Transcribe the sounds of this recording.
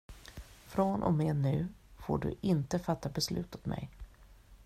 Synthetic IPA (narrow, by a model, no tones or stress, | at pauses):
fɾonʔɔ̰meːnʉ̟ːfo̰ːɖɵ̰ʔɪnt̪əfat̪ːabɛslʉ̟ːt̪ɔt̪mʔɛ̰j